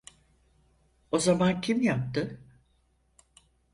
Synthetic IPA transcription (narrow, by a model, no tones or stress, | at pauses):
o̞zamancʰimjap̚t̪ɯ